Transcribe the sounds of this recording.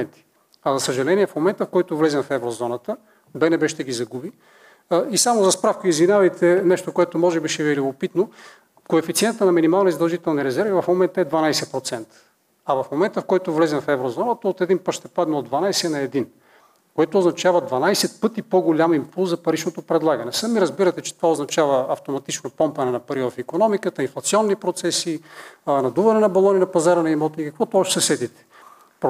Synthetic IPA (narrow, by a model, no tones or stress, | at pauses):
ɛnt̪i̥ | ɐzɐsəʒɐlɛniɛfmomɛnt̪əfkɔjt̪ovlɛzɛmfɛvɾozɔnət̪ə | bɛnɛbɛʃt̪ɛɡizɐɡubi | isamozɐspɾafkəizvinʲavɐjt̪ʰɛnɛʃt̪okoɛt̪omɔʒɛbiʃɛvɛlʲikopit̪no | koɛfit̪siɛnt̪ənɐminimalˠnizd̪ɐʒit̪ɛlˠniɾɛzɛɾvivɐfmomɛnt̪əɛd̪vɐnajsɛpɾot̪sɛnt̪ə̥ | ɐvɐfmomɛnt̪əfkɔjt̪ovlɛzɛmfɛvɾozɔnət̪əot̪ɛd̪inpət̪ʃt̪ɛpad̪nɐod̪vɐnajsɛnɐɛd̪in | koɛt̪oːznɐt͡ʃavɐd̪vɐnajsɛt̪̚pɤt̪ipoɡolʲamimpulˠzɐpɐɾit͡ʃnot̪opɾɛd̪lˠaɡɐnɛsɐmiɾɐzbiɾɐt̪ɛt͡ʃɛ̥t̪ovaoznɐt͡ʃavɐɐft̪omɐt̪it͡ʃnopɔmpɐnɛnɐpɐɾivɐfikonɔmikət̪əinflˠɐt̪siɔnːipɾot̪sɛsinɐd̪uvɐnɛnɐbɐlˠɔninɐpɐzaɾɐnɐimɔt̪ikɐkvɔt̪ɔʃsɐsɛt̪it̪ɛ̥ | pɾ